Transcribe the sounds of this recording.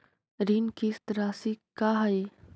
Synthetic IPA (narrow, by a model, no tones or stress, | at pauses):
ɾiːnkist̪ɾaːsikaːɦɐi